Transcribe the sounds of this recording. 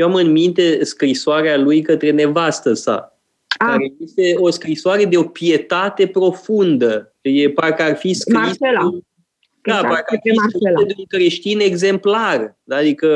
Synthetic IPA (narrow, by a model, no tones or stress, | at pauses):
jeamɨnmint̪e̞skɾisoaɾealujkət̪ɾe̞ne̞vast̪əsa̰ | kaɾejest̪e̞o̞skɾisoaɾe̞d̪e̞o̞pije̞t̪at̪e̞pɾo̞fund̪ə | jepaɾekəarfiskɾise | d̪apaɾekəarfiseed̪euŋkɾe̞ʃt̪ine̞ɡze̞mplard̪aad̪ikə